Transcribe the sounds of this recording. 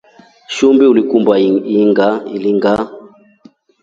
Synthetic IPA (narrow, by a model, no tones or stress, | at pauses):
ʃumbiulikumbaiŋɡailiŋɡa